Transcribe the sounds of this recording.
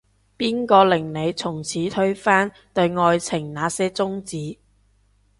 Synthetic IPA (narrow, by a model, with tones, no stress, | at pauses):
piː˥nkɔː˧lɪ˨˩ŋne˨˧jt͡sʰʊ˨˩ŋt͡sʰiː˨˥t̪ʰɵ˥ɥfaː˥n | t̪ɵ˧ɥŋɔː˧jt͡sʰɪ˨˩ŋnaː˨˥sɛː˥t͡sʊ˥ŋt͡siː˨˥